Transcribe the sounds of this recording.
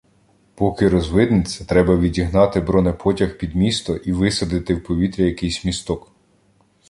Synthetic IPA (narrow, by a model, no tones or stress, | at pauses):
pɔkɪɾɔzʋɪd̪nɪt͡sʲːɐt̪ɾɛbɐʋʲidʲiɦnɑt̪ɪbɾɔnɛpʰɔtʲɐxpʲid̪mʲist̪ɔʔiʋɪsɐd̪ɪt̪ɪwpɔʋʲit̪ɾʲijɐkɪjsʲmʲist̪ɔk